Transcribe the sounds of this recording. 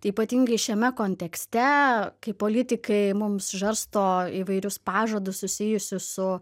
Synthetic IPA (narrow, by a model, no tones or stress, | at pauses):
iːpɐt̪ʲiŋɡɐɪʃʲɛmʲɛkoːnʲt̪ʲɛksʲt̪ʲɛkɐɪpoːlʲɪt̪ʲɪkɐɪmʊmsʒɐɾst̪oːiːʋɐɪɾʲʊspɑːʒoːd̪ʊssʊsʲiɪjʊsʲʊsʊ